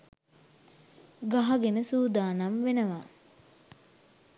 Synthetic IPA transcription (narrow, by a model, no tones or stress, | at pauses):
ɡaɦaɡenəsuːd̪aːnamʋenəʋa